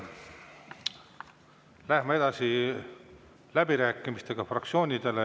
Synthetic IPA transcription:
læhmɑe̞d̪̥ɑsi | læbiɾæːkːˑimist̪e̞ɡ̥ɑfrɑkt̪sio̞ːnʲid̪e̞le

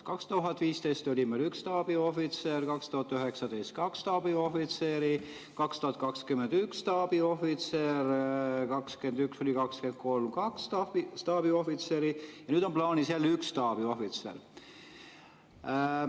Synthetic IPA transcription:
kɑkst̪uɦɑt̪ːviːst̪e̞jst̪o̞lʲimelykst̪ɑːb̥io̞fit̪serkɑkst̪uhɑt̪ːyɦe̞ksɑd̪ejst̪̚kɑkst̪ɑːb̥io̞fit̪seːɾi | kɑkst̪uhɑt̪̚kɑkskyme̞nd̪ykst̪ɑːb̥io̞fit̪seɾkɑkske̞nd̪ykso̞lʲikɑkske̞nt̪̚ko̞lmkɑkst̪ɑit̪ɑːb̥io̞fit̪seːɾijɑnyːd̪̥o̞mplɑːniselːykst̪ɑːb̥io̞fit̪sḛr

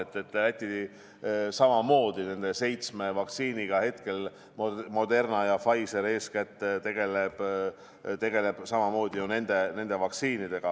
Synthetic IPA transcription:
et̪ːˑe̞t̪ːˑlæt̪ʲːˑii | sɑmɑmo̞ːd̪̥ine̞nd̪e̞se̞jt̪sme̞vɑksiːniɡ̥ɑhe̞t̪ke̞l | mmo̞d̪e̞rnɑjɑfɑjse̞ɾe̞ːskæt̪ːet̪e̞ɡ̥e̞leb̥ | t̪e̞ɡ̥e̞le̞b̥sɑmɑmo̞ːd̪̥ijune̞nd̪̥e̞ne̞nd̪̥e̞vɑksiːnid̪̥e̞ɡ̥ɑ

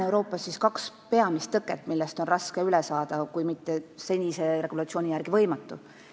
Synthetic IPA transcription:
ewɾo̞ːpːˑɑsːiskɑkspe̞ɑmist̪ːɤkːˑet̪ːˑmilːɛst̪o̞nrɑskeylɛsɑːd̪̥ɑkujmit̪ːe̞se̞nʲise̞re̞ɡ̥ulɑt̪sio̞ːnʲijærɡ̥ivɤ̞jmɑt̪ːˑu

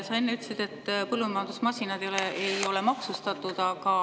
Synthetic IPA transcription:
sɑenːeyt̪ːsid̪̥e̞t̪ːpɤlːumɑjɑnd̪usmɑsʲinɑd̪ejoleejo̞le̞mɑksust̪ɑt̪ːˑud̪̥ɑkɑ

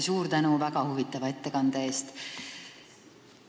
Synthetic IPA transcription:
suːɾt̪ænuvæɡɑhuvit̪ːˑɑvɑe̞t̪ːe̞kɑnd̪̥ɑe̞ːst̪

